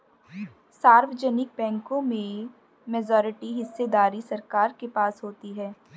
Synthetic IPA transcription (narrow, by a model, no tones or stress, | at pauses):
saːɾʋd͡ʒɛnɪk̚bɛ̃ːŋkõmẽ | mɛd͡ʒɔːɾɪʈiɦɪsːed̪aːɾisɐɾkaːɾkepaːsɦoːt̪iɦɛː